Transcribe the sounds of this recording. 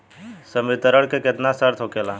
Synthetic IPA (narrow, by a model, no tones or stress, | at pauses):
səmɪt̪əɾəɽkekɪt̪nasəɾt̪ʰɦokelaː